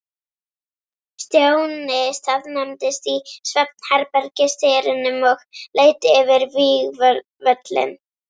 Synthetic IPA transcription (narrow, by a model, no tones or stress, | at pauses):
st̪jownɪst̪aðnɛmt̪ɪst̪isvɛp̚n̥hɛɾpɛɾcɪst̪eːɾɪnʏmɔɣleːjt̪ɪʏvɪɾviːɣv | vœt̪lɪ̰n